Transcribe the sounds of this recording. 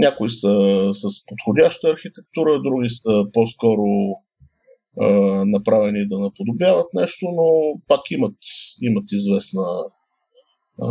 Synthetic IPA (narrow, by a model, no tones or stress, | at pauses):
nʲakʊisəsɐspot̪xodʲaʃt̪əɐɾxit̪ɛk̚t̪uɾəd̪ɾuɡ̟ʲisəposkɔɾo | nɐpɾavɛnid̪ɐnɐpod̪objavət̪nɛʃt̪onopakimət̪imət̪izvɛsnə